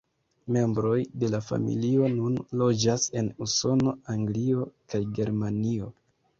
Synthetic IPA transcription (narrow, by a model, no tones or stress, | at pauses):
me̞mbɾo̞jde̞lafa̰mḭlio̞nunlo̞d͡ʒase̞nuso̞no̞aŋɡlio̞kajɡe̞ɾmanio̞